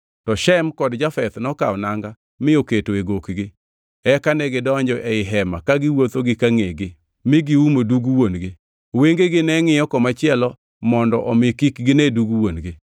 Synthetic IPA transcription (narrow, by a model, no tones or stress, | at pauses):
tɔʃɛmkɔdd͡ʒafɛt̪nɔka̰wnaŋɡa | mɪoketoeɡokɡɪ | ɛkanɛɡɪdɔɲd͡ʒɔʔɛɪɦɛmakaɡɪwot̪oɡɪkaŋeɡɪ | mɪɡɪumoduɡuwonɡɪ | weŋɡeɡɪnɛŋɪjɔkɔmat͡ʃɪɛlɔ | mɔndɔʔɔmɪkikɡɪnɛduɡuwonɡɪ